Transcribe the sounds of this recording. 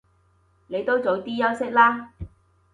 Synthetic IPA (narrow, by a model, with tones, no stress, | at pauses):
ne˨˧jt̪o˥wt͡so˨˧wt̪iː˥jɐ˥wsɪ˥k̚laː˥